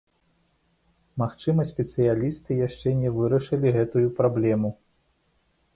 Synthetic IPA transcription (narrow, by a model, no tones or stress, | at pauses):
maxt͡ʂɨmɐsʲpʲɛt̪sɨjalʲist̪ɨjaʂt͡ʂɛnʲɛvɨɾɐʂɨlʲiɣɛt̪ujupɾablʲɛmu